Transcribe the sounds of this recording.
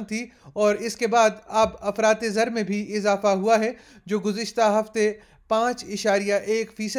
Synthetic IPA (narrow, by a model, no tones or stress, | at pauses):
t̪ʰiɔːɾɪskebaːd̪ɐbɐfɾaːt̪ezɐɾmẽbʱiɪzaːfaɦuaɦɛ | d͡ʒoːɡʊzɪʃt̪aɦɐft̪e | pãːt͡ʃɪʃaːɾijaʔeːkfiːsə